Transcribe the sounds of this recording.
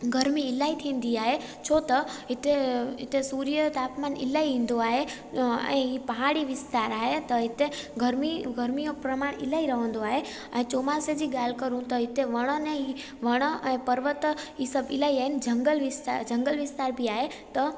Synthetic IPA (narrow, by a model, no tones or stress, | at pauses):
ɡʱɐɾmiɪlaːit̪ʰĩːn̆d̪iaːɦe | t͡ʃʰoːt̪ɐɦɪt̪eɪt̪esuːɾijət̪aːpmanɪ̰laːiʋĩn̆d̪oaːɦe | ɛ̰̃ːɦipɐɦaːɽiʋɪst̪aːɾaːɦet̪ɐɦɪt̪eɡəɾmiɡʱɐɾmijõpɾɐmaːɽ̃ɪ̰laːiɾɐʋə̃n̆d̪oaːɦe | ɛ̃ːt͡ʃoːmased͡ʑiːɡaːl̤kɐɾũt̪ɐɦɪt̪eʋɐɽ̃ənẽi | ʋɐɽ̃əɛ̃ːpɐɾʋət̪iːsɐbɪlaːiaːɦɪnd͡ʒɐŋɡəlʋɪst̪ad͡ʒɐ̃ŋɡəlʋɪst̪aːɾbʱiaːɦet̪ɐ